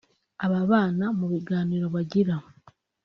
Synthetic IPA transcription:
aβaβaːnamuβiɡaːniːɾo̞βaɟiɾa

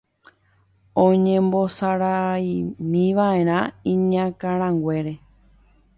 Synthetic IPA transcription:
õɲẽmbo̞saɾaimĩʋaʔe̞ɾ̃ãĩɲãkaɾ̃ãŋɡʷe̞ɾe̞

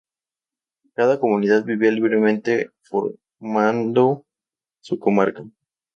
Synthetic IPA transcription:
kaðako̞mũniðaðbiβialiβɾe̞mẽnt̪e̞fo̰ɾ | mand̪o | suko̞maɾka

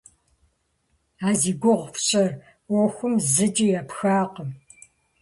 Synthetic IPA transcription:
aːziːɡʷʊʁʷfɕʼɐr | woxʷʊmzɨd͡ʒʼijɛpxaːqəm

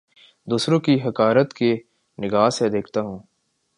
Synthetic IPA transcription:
d̪uːsɾõkiɦɐkaːɾət̪ke | nɪɡaːsed̪eːkʰt̪aɦũː

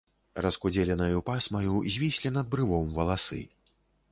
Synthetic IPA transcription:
rɐskud͡zʲɛlʲɛnɐjupasmɐjuzʲvʲisʲlʲinɐd̪̚bɾɨvɔmvɐlˠasɨ̰

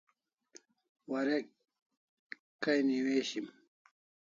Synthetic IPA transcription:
wɐɾe | kɐjniweːɕim

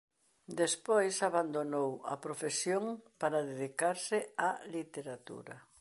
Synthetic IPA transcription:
d̪espojsaβand̪onowɐ̰pɾofesjoŋpaɾaðeðikaɾsɪalit̪eɾat̪ṵɾɐ

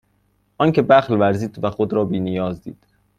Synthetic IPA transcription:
ʔɒːncʰe̞bæxlvæɾziːd̪væxod̪ɾɒːbiːnijɒːzd̪ḭːd̪̥

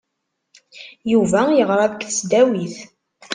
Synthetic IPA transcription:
juvæjəʁɾˤɑðəkθəsd̪æwiθ

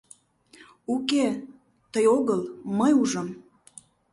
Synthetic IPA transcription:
uke | t̪əjoɣəlməjuʒə̆m

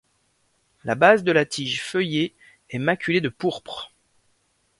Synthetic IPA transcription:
labazd̪əlat̪ʰiʒfœje | ɛmakʲyled̪əpuʁpχ

